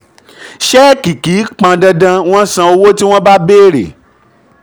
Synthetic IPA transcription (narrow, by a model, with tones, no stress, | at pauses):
ʃɛ˦ki˨ki˨˦k͡pã˧dɛ˧dã˧w̃ɔ̃˦sã˧o˧wo˦ti˦w̃ɔ̃˦ba˦beː˦˨ɾḛ˨